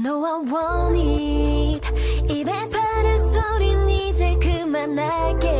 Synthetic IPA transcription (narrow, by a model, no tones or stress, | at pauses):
nowawʌni | d̪imepʰaɾɯsoɾinːit͡ɕekɯmanːake